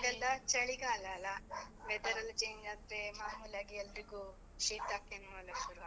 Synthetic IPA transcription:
ɡɐlːɐt͡ʃɐɭiɡaːlɐlɐʋɛd̪ɐɾɐlt͡ʃeːɲd͡ʒaːd̪ɾemaːmuːlaːɡeɛlːɐɾiɡu | ʃiːt̪aːkːenuɐlːɐʃuɾuʋa

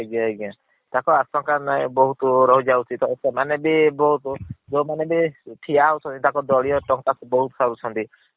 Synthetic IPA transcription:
eɡãeɡã | t̪akɔasɔŋkanajbɔɦut̪ɔɾɔɦud͡ʒawut͡ʃʰit̪ɔesemanebebɔɦut̪ɔd͡ʒɔwmanebeʈʰiaɦɔwt͡ʃʰɔnt̪it̪akɔd̪ɔɭijɔʈɔŋt̪asbɔɦut̪ɔsaɾut͡ʃʰɔnt̪i

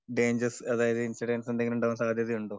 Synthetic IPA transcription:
ɖe̞ːɲd͡ʑɐɾsɐðaːjɐðɨinsiɖeːnsend̪eŋɡiluɳɖaːʋɐnsaːd̪ʱjɐðijuɳɖoː

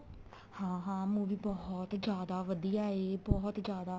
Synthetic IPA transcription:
hãːɦãːmũːʋiːbɔɦt̪d͡ʒjaːd̪aːʋəd̪ijaːeːbɔɦt̪d͡ʒjaːd̪aː

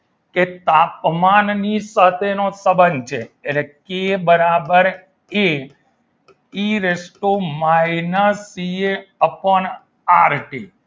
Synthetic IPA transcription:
ket̪apmannisət̪ʰenosəbənt͡ʃʰeːlekebəɾabəɾ | e | iɾesʈomainəsieəpən | aɾʈḭ

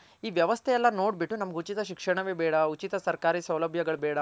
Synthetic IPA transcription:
iːʋjɐʋɐst̪ʰɛjɛlːɐnoːɽbiʈːunɐmɐɡeut͡ʃit̪ɐʃikʂɐɳɐʋeːbɛːɽɐut͡ʃit̪ɐsɐɾkaːɾiːsɐwlɐbʱjɐɡɐɭbɛːɽɐ

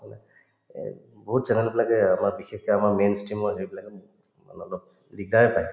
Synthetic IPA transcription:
manɛ̰ | boɦutsɛnanɛbilaɡɛamaɹbixekɔamaɹmenstɹimɔɦeɹibilaɡɛbt | ma̰nɔlɔb̚ | lik̚daɹɛpaj

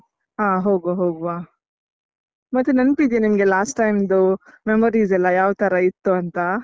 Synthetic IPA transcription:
ɦaːɦoːɡuaɦoːɡuaː | mɐt̪ːunɐnpid̪ijenimɐɡelaːsʈːajmd̪umemɐɾiːzɛlːɐjaːʋt̪ɐɾɐit̪ːuɐnt̪a

